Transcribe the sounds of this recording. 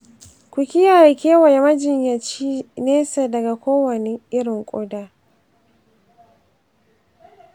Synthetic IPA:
ku˨kʲi˦ja˦˨a˨kʲɛ˦wa˨ja˨ma˦d͡ʒi˨ɲja˨t͡ʃi˦nɛ˦sa˨da˨ɡa˨koː˦wɔ˨ni˨i˦ɾɔ˨ŋkʼɔ˦da˨

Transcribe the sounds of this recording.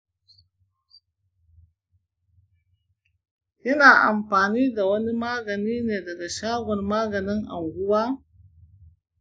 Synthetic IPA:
ʔɪ˦naː˨ʔa̰˨mɸaː˨niː˦da˨wɐ˦ni˦maː˦ɡɐ˨niː˦neː˨dɐ˨ɡa˨ʃaː˦ɡʷɔ˨rmaː˦ɡɐ˨nɪ˦ŋʔa̰˨ŋɡʷʊ˦waː˦

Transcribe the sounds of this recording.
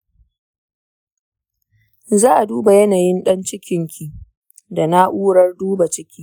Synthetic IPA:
zaː˦ʔa˨duː˦ba˨jɐ˦naː˨jɪ˦nɗɐ˦nt͡ʃɪ˦kʲɪ˨ŋkʲʰi˨ | da˨na˦ʔuː˦ɽɐ˦rduː˦ba˨t͡ʃɪ˦kʲiː˦

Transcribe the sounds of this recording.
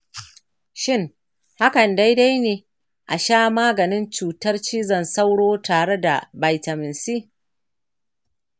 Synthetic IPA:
ʃɪ˦ŋ | ha˦kɐ˨nda˦jda˦jneː˨ | ʔa˨ʃaː˦maː˦ɡɐ˨nɪ˦nt͡ʃuː˨tɐ˦rt͡ʃiː˦zɐ˦˨nsa˦wɽoː˦taː˨ɽe˦da̰˨ba˨jtɐ˨mɪ˨nsiː˦

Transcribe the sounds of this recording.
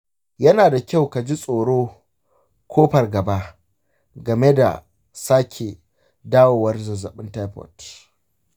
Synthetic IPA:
jɐ˦naː˨da˨kʲa˦˨wka˨d͡ʒi˦sʼoː˨ɽoː˦ | kʰʷoː˦ɸɐ˨rɡɐ˨ba˦ʔ | ɡɐ˨me˦da̰˨ | saː˦kʲʰe˨ | daː˦woː˨wɐ˦rzɐ˨zɐ˨ɓɪ˦nta˦jpɔ̰˨t

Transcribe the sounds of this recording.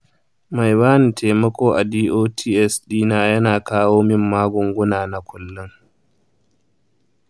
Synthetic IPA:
ma˨jbaː˦nɪ˨tʰeː˨mɐ˦kʷoː˦ʔa˨diː˦ʔoː˦tʰiː˦ʔɛ˦sɗiː˦naː˦jɐ˦naː˨kaː˦woː˦mɪ˦mːaː˦ɡʷʊ˨ŋɡʷʊ˦naː˨na˨kʷʊ˨lːʊ˦ŋ

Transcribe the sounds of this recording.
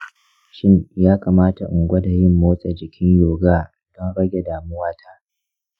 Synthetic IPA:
ʃɪ˦ɲjaː˦kaː˨maː˦ta˨ʔʊ˨ŋɡʷɐ˦da˨jɪ˦mːoː˦sʼɛ˨d͡ʒɪ˨kʲɪ˦ɲjoː˨ɡaː˦ | d̥ɔ˦nɽɐ˦ɡʲe˨daː˨mʊ˦waː˦tʰaː˦

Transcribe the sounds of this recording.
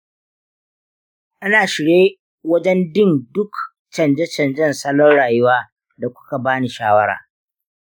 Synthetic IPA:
ʔa˦naː˨ʃɪ˨ɽeː˦ | wɐ˦d͡ʒɛ˦ndɪ˦˨ndʊ˦k | t͡ʃɐ˨nd͡ʒɛ˦t͡ʃɐ˨nd͡ʒɐ˦˨nsɐ˦lɔ˦nɽaː˨jʊ˦waː˦ | da˨kʷʊ̥˦ka˨baː˦ni˨ʃaː˦wɐ˦ɽa̰ː˨

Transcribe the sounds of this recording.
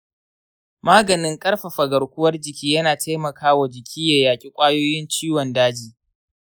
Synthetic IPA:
maː˦ɡɐ˨nɪ˦ŋkʼɐ˦ɽɸa˨ɸɐ˨ɡɐ˨ɽkʷʊ˦wɐ˦rd͡ʒɪ˨kʲiː˦jɐ˦naː˨tʰa˦jmɐ˨kʰaː˦wa˨d͡ʒɪ˨kʲʰiː˦ja˨jaː˨kʲʼi˦kʷʼaː˦joː˦jɪ˦nt͡ʃiː˦wɔ˨ndaː˦d͡ʒiː˨

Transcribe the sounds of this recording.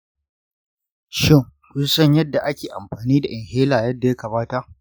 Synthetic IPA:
ʃɪ˦˨ŋkʷʊ˦sɐ˦ɲjɐ˦dːa˨ʔa˦kʲeː˨ʔa˨mɸaː˨niː˦da˨ʔɪ˨ŋheː˦laː˨jɐ˦dːa˨ja˦kɐ˨baː˦ta˦ʔ

